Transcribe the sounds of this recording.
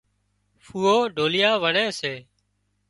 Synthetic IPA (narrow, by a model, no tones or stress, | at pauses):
fuːoːɖʱoːlɪjaːʋəɳeːseː